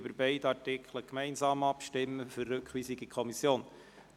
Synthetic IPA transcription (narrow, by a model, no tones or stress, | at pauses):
bəɾbɛɪd̪ɑɹtɪkʰləkmɛɪnsɑːmɑpʃtɪmːəførːɵkχʋiːsiɡikʰɔmisjoːn